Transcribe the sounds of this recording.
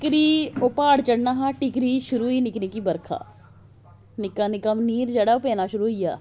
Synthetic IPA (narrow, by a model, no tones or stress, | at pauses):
ɪkɾiːʊpaːɽt͡ʃəɽnaːɦãːʈɪkɾiːʃʊɾuːiːnɪknikiːbəɾkʰa̰ː | nɪkaːnɪkəmniːɾd͡ʒɐɽaːopɛːnaːʃʊɾuːɦɪja̰ː